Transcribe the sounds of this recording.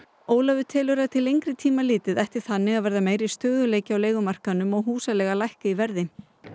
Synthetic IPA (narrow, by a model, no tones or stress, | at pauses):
oːwlavʏt̪ʰɛːlʏɾat̪ʰɪlejŋkɾɪt̪ʰiːmalɪːt̪ɪðɛht̪ɪɾ̥θanːɪɣaðvɛɾðameːjɾist̪œːɣðʏleːjcɪawleːjɣʏmar̥kanːʏmɔɣɦuːsalɛːɣalajhkaivɛɾðɪ